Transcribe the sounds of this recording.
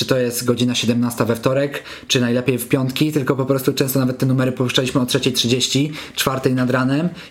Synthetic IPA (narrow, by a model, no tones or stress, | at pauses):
ɘt̪ɔjɛst̪ɡɔd͡ʑinaɕɛd̪ɛmnast̪avɛft̪ɔɾɛk | t͡ʂɘnajlɛpʲjejfpʲjɔnt̪kʲit̪ɘlkɔpɔpɾɔst̪ut͡ʂɛ̃st̪ɔnavɛt̪ːɛnumɛɾɘpɔuʂt͡ʂalʲiɕmɘɔtʂɛt͡ɕejtʂɘd͡ʑeɕt͡ɕit͡ʂfaɾt̪ɛjnad̪ɾanɛm